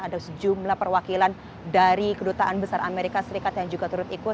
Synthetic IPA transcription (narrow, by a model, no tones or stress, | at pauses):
adasəd͡ʒumlahpərwakilan | daɾikədut̪aʔanbəsaɾameɾikasəɾikat̪jaŋd͡ʒuɡat̪uɾʊt̪ikʊ